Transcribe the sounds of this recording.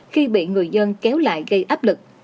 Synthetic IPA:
xi˧ɓḭ˧˨ŋɨ˨˩əjzə˧nkɛ˨˦wla̰ː˧˨jɣə˧jʔaː˦˥p̚lɨ˨˩k̚

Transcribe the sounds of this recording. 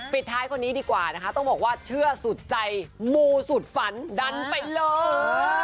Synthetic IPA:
pi˨˩t̪ʰːaː˦˥jkʰo˧nːiː˦˥diː˧kwaː˨˩na˦˥kʰa˦˥t̪ɔ˥˩ŋbɔː˨˩k̚waː˥˩t͡ɕʰɯ˥˩ɐsu˨˩t̪̚t͡ɕa˧jmuː˧su˨˩t̪̚fa˩˦nda˧npa˧jlɤː˧

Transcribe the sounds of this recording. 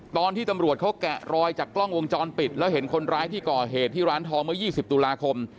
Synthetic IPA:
t̪ɔː˧nt̪ʰiː˥˩t̪a˧mɾu˨˩ət̪̚kʰa˦˥wkɛ˨˩ɾɔː˧jt͡ɕaː˨˩kːlɔ˥˩ŋwo˧ŋt͡ɕɔː˧npi˨˩t̪̚lɛː˦˥wɦe˩˦nkʰo˧nɾaː˦˥jt̪ʰiː˥˩kɔː˨˩ɦeː˨˩t̪ʰːiː˥˩ɾaː˦˥nt̪ʰɔː˦˥ŋmɯ˥˩əjiː˥˩si˨˩p̚t̪uː˧laː˧kʰo˧m

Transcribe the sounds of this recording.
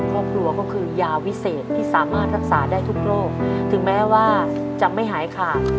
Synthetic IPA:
kʰɔː˥˩p̚kʰɾu˧ɐkɔː˥˩kʰɯː˧jaː˧wi˦˥seː˨˩t̪ʰːiː˥˩saː˩˦maː˥˩t̪̚ɾa˦˥k̚saː˩˦daː˥˩jt̪ʰu˦˥k̚ɾoː˥˩k̚t̪ʰɯ˩˦ŋmɛː˦˥waː˥˩ | t͡ɕa˨˩ma˥˩jɦaː˩˦jkʰaː˨˩

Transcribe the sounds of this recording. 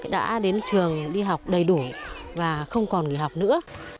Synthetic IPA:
ɗa̰ː˧˥ɗe˨˦nt͡ɕɨ˨˩əŋɗi˧ɦa˨˩wk͡p̚ɗə˨˩jɗu˧˩vaː˨˩xə˧wŋ͡mkɔ˨˩nŋḭ˨˧˨ɦa˨˩wk͡p̚nɨ̰˧˥ə

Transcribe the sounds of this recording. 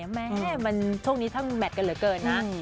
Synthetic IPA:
mɛ˦˥ɛː˦˥˩ma˧nt͡ɕʰu˥˩ŋniː˦˥t̪ʰa˥˩ŋmɛ˨˩t̪̚ka˧nlɯ˩˦kɤː˧nːa˦˥

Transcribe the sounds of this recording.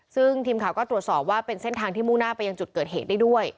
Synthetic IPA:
sɯ˥˩ŋt̪ʰiː˧mkʰa˨˩wkɔː˥t̪ɾu˨˩ət̪sɔː˨˩p̚waː˥˩pe˧nse˥˩nt̪ʰaː˧ŋt̪ʰiː˥˩muː˥˩ŋnaː˥˩pa˧ja˧ŋt͡ɕu˨˩t̪̚kɤː˨˩t̪̚heː˨˩t̪̚daː˥˩jdu˥˩əj

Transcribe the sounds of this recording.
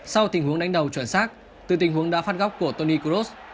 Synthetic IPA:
sa˧wt̪i˨˩ŋ̟hu˨˦əŋɗa˨˦jŋ̟ɗə˨˩wt͡ɕwə˧˩nsaː˦˥k̚ | t̪ɨ̰˨˩t̪ï˨˩ŋ̟ɦu˨˦əŋɗa̰ː˧˥faː˦˥t̚ɣɔ˦˥wk͡p̚ku˧˩ət̪o˧ni˧ku˧ɾo˦˥s

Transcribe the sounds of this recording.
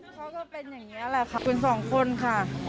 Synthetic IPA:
kʰa˦˥kɔː˥˩pe˧njaː˨˩ŋːiː˦˥ʔa˧la˧˩kʰa˧˩kʰu˧ns̬ɔː˩˦ŋkʰo˧nkʰa˥˩

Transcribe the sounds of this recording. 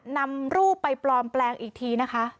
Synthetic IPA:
na˧mɾuː˥˩pa˧jplɔː˨˩nplɛː˧ŋʔiː˨˩k̚t̪ʰiː˧na˦˥kʰa˦˥

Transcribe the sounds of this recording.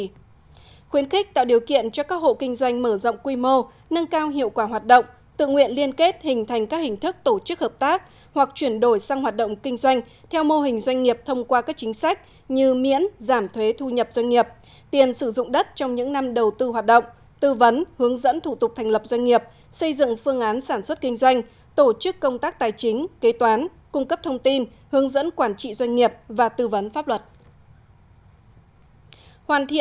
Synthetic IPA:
xwi˨˦ənxi˦˥k̟̚t̪a̰ː˧˨wɗi˨˩əwkḭ˧˨ənt͡ɕɔ˧kaː˦˥k̚ho̰˧˨kï˧ŋ̟zwa˧jŋ̟məː˧˩zə̰˧˨wŋ͡mkwi˧mo˧ | nə˧nkaː˧wɦḭ˧˨əwkwaː˧˩ɦwaː˨˩t̚ɗo̰˧˨wŋ͡m | t̪ɨ̰˧˨ŋwḭ˧˨ənli˧ənke˦˥t̚hï˨˩ŋ̟t̪ʰa˨˩jŋ̟kaː˦˥k̚hï˨˩ŋ̟t̪ʰɨ˦˥k̚t̪o˧˩t͡ɕɨ˦˥k̚həː˨˩p̚t̪aː˦˥k̚ | hwa˨˩k̚t͡ɕwi˧˩ənɗo˧˩jsa˧ŋhwaː˨˩t̚ɗə̰˧˨ŋ͡mkï˧ŋ̟zwa˧jŋ̟ | t̪ʰɛ˧wmo˧ɦï˨˩ŋ̟zwa˧jŋ̟ŋi˨˩əp̚t̪ʰə˧wŋ͡mkwaː˧kaː˦˥k̚t͡ɕï˨˦ŋ̟sa˦˥jk̟̚ | ɲɨ˧mḭ˧˥ənzaː˧˩mt̪ʰwe˨˦t̪ʰu˧ɲə˨˩p̚z̥wa˧jŋŋi˨˩əp̚ | t̪i˨˩ənsɨ˧˩zʊ̰˧˨ŋ͡mɗə˦˥t̚t͡ɕɔ˧wŋ͡mɲɨ̰˧˥ŋna˧mɗə˨˩wt̪ɨ˧hwa˨˩t̚ɗə̰˧˨wŋ͡m | t̪ɨ˧və˨˦nhɨ˨˦əŋzə̰˧˥nt̪ʰu˧˩t̪ʊ˨˩k͡p̚t̪ʰɛ˨˩ŋ̟lə˨˩p̚zwa˧jŋ̟ŋi˨˩əp̚ | sə˧jzɨ̰˧˨ŋfɨ˧əŋʔaː˨˦nsaː˧˩nswə˦˥t̚kï˧ŋ̟zwa˧jŋ̟ | t̪o˧˩t͡ɕɨ˦˥kːə˧wŋ͡mt̪aː˦˥k̚t̪aː˨˩jt͡ɕï˨˦ŋ̟ke˨˦t̪waː˨˦n | kʊ˧ŋ͡mkə˦˥p̚t̪ʰə˧wŋ͡mt̪i˧n | hɨ˨˦əŋzə̰˧˥nkwaː˧˩nt͡ɕḭ˧˨zwa˧jŋ̟ŋi˨˩əp̚vaː˨˩t̪ɨ˧və˨˦nfaː˦˥p̚lwə˨˩t̚ | hwaː˨˩nt̪ʰḭ˧˨

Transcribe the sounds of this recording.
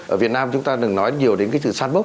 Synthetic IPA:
ʔəː˧˩vi˨˩ət̚naː˧mt͡ɕʊ˨˦ŋ͡mt̪aː˧ɗɨ˨˩ŋnɔ˨˦jɲi˨˩əwɗe˨˦nkaː˨˦jsɨ̰˧˨saː˧nɓə˦˥

